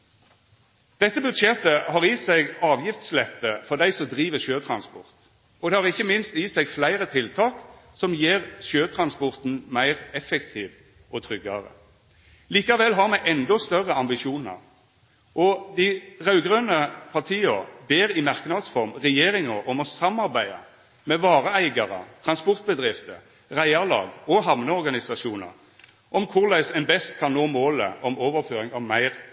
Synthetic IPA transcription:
d̪̥ɛt̪ːəbʉd̪ʃɛt̪ːəhɑːʁisæɪɡɑːʋjɪft̪slɛt̪ːəfɔʁd̪æɪsɔmd̪ʁiːʋəʃøːt̪ʰʁɑnspɔ̰ʁt̪ | ɔd̪ɛhɑʁɪçːəmɪnst̪iːsɛɡflæɪʁət̪ʰɪlt̪ʰɑːksɔmjeːʁʃøːt̪ʰʁɑnspɔʁt̪n̩mæɪʁɛfɛkt̪ʰiːʋ | ʔɔt̪ʰʁʏɡːɑʁə̰ | liːkɑʋɛlːɦɑʁmɛʔɛnd̪ɔst̪œʁəɑmbɪʃuːnə̰ʁ | ʔɔd̪ɪʁɑʉɡʁøːnəpʰɑʁt̪ʰiːəʁbeːʁɪmɑʁknɑd̪sfɔʁmʁɛjeːʁɪŋəʁɔmɔsɑmɑʁbæɪɑ̰ | mɛʋɑːʁəæɪɡɑʁə̰t̪ʰʁɑnspɔʁt̪̚bəd̪ʁɪft̪ə̰ | ʁæɪɑʁlɑ̰ːɡɔɦɑmnəɔʁɡɑnɪsɑsuːnə̰ʁ | ʔɔmkʰʊʁlæɪsɛnbɛst̪kʰɑnnoːmoːlə̰ʔɔmoːʋəʁføːʁɪŋɑʋmæɪʁ

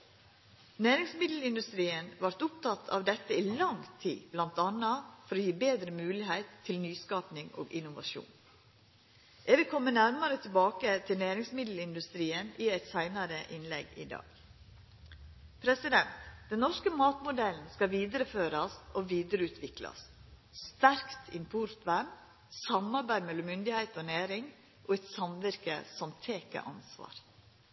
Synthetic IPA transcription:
næːɾɪŋsmɪd̪l̩ɪnd̪ʉst̪ɾiːənʋɑɾt̪ʊpt̪ʰɑt̪ʰːɑ̰ʋd̪ɛt̪ːəiːlɑŋt̪ʰḭːb̥lɑnt̪ɑnɑfɔɾoːjiːbeːd̪ɾəmʉːlɪɦæɪt̪ʰːɪlnyːskɑːpnɪŋo̰ːɡɪnʊʋɑ̰ʃṵːn | ʔɛɡʋɪlkʰɔmːənæɾmɑɾət̪ʰɪlbɑːkət̪ʰɪlnæːɾɪŋsmɪd̪l̩ɪnd̪ʉst̪ɾiːənɪæɪt̪sæɪnɑɾəʔɪnlɛ̰ɡɪ̰d̪ɑ̰ːɡ̥ | pʰɾɛsɪd̪ɛnt̪d̪ɛnnɔʂkəmɑːt̪mʊd̪ɛln̩skɑʋiːd̪əɾəføːɾɑsɔʋiːd̪əɾəʉːt̪ʰʋɪklɑ̰sst̪æɾkt̪ʰɪmpʰʊɾt̪ʋæm | sɑmɑɾbæɪd̪mɛlːɔmʏnd̪ɪhæɪt̪oːnæːɾɪŋ | ʔoːɛt̪sɑmʋɪɾkə̰sɔmt̪ʰeːkə̰ʔɑ̰nsʋɑ̰ːɾ

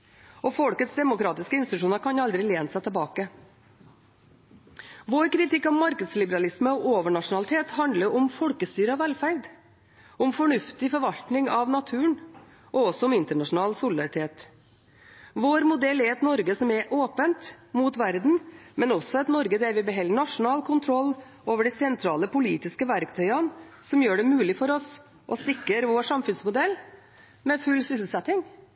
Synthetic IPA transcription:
ʔɔfɔlkət̪sd̪ɛmʊkɾɑːt̪ɪskəɪnst̪ɪt̪ʉʂuːnəɾkʰɑnɑld̪ɾɪleːnsɛt̪ʰɛlbɑːkə | ʋoːɾkʰɾɪt̪ʰɪkːɑʋmɑɾkəd̪slɪbəɾɑlɪsməɔʔoːʋəɳɑʂʊnɑlɪt̪ʰeːt̪ɦɑnd̪ləɾɔmfɔlkəst̪yːɾəɑʋʋɛlfæɾd̪ | ʊmfɔɳʉft̪ɪfɔɾʋɑlt̪nɪŋɑʋnɑt̪ʰʉːən | ʔɔɔsɔʊmɪnt̪əɳɑʂʊn̩ɑːlsʊlɪd̪ɑɾɪt̪ʰeːt̪ | ʋoːɾmʊd̪ɛlːɛɾɛt̪nɔɾɡəsɔmɛɾʔoːpənt̪ | muːt̪ʋæɾd̪n̩mɛnɔsɔɛt̪nɔɾɡəd̪ɛɾʋɪbɛɦɛlːəɳɑʂʊnɑːlkʰʊnt̪ʰɾɔlː | oːʋəɖɛsɛnt̪ʰɾɑːləpʊliːt̪ɪskəʋæɾkt̪ʰœʏɑnsɔmjøːɖɛmʉːlɪfɔɾɔs | ʔɔsɪkɾəɾʋoːʂɑmfʉnsmʊd̪ɛlː | mɛfʉlːsʏsl̩sɛt̪ɪŋ

